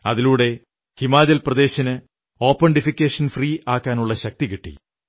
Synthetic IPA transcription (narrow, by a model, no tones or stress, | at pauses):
ɐðiluːɽe̞ | himaːd͡ʑɐlprɐd̪e̞ːɕɐnɨ | o̞ːpːɐɳɖifikʲːeːʂɐnfriːʔaːkːaːnuɭːɐɕɐk̚t̪ikiʈːḭ